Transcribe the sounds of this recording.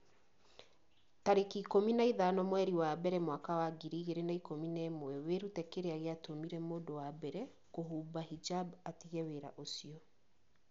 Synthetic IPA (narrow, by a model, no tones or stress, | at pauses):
taɾekikominaiðanɔmwɛɾiwabɛɾɛmwakawaɡiɾiɣeɾenaikominɛmowɛweɾutɛkeɾeaɣeatomiɾɛmoːdowabɛɾɛ | koɦuːbaɦid͡ʒabatiɣɛweɾa̰ʔosiɔ